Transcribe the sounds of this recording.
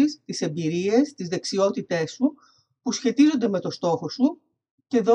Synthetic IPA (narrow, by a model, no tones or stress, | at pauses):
ist̪ise̞mbiɾie̞st̪izðe̞ksio̞t̪it̪e̞su | pusçe̞t̪izo̞nd̪e̞me̞t̪o̞st̪o̞xo̞su | ce̞ðo